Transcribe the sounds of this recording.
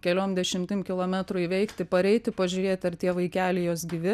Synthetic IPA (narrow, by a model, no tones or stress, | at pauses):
kʲɛlʲoːmd̪ʲɛʃʲɪmʲt̪ʲɪmkʲɪlˠoːmʲæt̪ɾʊiʋʲɛɪkt̪ʲɪpɐɾʲɛɪt̪ʲɪpɐʒʲʊːɾʲeːt̪ʲɐɾt̪ʲiɛʋɐɪkʲæːlʲeɪjoːsɡʲiːʋʲɪ